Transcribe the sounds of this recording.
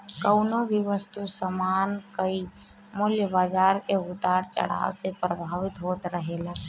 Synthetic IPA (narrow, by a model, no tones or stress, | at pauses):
kəʊnoʋɪʋəst̪usəmaːnkəi | mʊljəbaːzaːɾkeʊt̪aːɾt͡ʃə̰ɽ̤a̰ːʋsepɾəbʱaːʋɪt̪ɦoːt̪ɾəɦelaː